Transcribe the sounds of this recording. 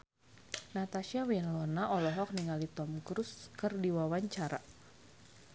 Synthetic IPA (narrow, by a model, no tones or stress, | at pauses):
nat̪aʃiawinlɔnaʔɔlɔɦɔk̚niŋalit̪ɔmkɾuskərdiwawaɲt͡ʃaɾa